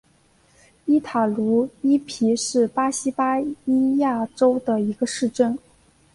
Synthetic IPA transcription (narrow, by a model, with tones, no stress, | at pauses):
i˥t̪ʰa˨˩lu˧˥i˥pʰi˧˥ʂɻ̩˥˩pa˥ɕi˥pa˥i˥ja˥˩ʈ͡ʂo˥ʊd̪ə˨i˧˥ɡə˧ʂɻ̩˥˧ʈ͡ʂə˥˩n